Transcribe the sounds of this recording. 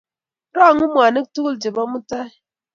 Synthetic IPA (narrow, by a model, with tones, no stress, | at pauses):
dɔ˦a˨ŋu˦mʷ˨a˨nɨ˦k̚tu˦ɣu˦ld͡ʒe˨bɔ˦mu˦ta˦˨